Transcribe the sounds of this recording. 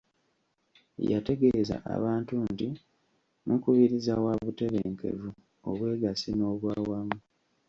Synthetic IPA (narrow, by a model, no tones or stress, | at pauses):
ja̰te̞ɡe̞za̰ʔa̰βaːntunti | nukuβiɾizawaβute̞βeːŋke̞̰vu | o̰βwe̞ːɡasino̞ːβwaːwamu